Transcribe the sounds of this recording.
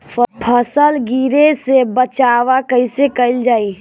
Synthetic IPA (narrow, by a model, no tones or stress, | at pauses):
pʰəpʰəsəlɡiːɾesebət͡ʃaːwakəɪsekəɪld͡ʒaːi